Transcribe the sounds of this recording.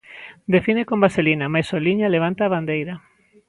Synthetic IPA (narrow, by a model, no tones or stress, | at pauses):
d̪efinekombaselinamajsoliɲaleβant̪aːβand̪ejɾɐ